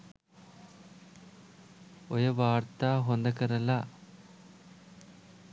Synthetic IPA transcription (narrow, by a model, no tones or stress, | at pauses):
ojɐʋaːrt̪aɦond̪ɐkːɐɾɐlːa